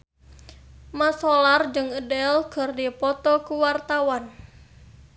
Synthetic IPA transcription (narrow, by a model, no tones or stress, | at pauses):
masɔlard͡ʒɨŋədɛlkə̤rdipɔt̪ɔkuwart̪awan